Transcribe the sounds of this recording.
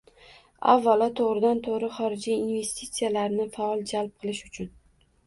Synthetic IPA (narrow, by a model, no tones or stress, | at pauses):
a̰vːalɒt̪ʰoʁɾɪd̪ant̪ʰoʁɾɪχɒɾɪd͡ʒiːnve̞st̪ʰit̪sijalaɾnɪfaɒlˠd͡ʒalˠp̚qʰɨlˠɪʃʊt͡ʃʰʊn